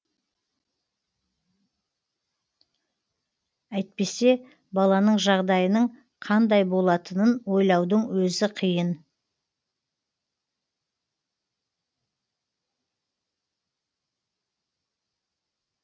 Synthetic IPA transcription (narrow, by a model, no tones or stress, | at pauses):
æjt̪̚pe̞se̞ | bɑlˠɑnəɴʒɑʁd̪ɑjənəɴ | qʰɑnd̪ɑjbo̞lˠɑt̪ənənwo̞jlˠɑwd̪əɴwɵzɪqʰijən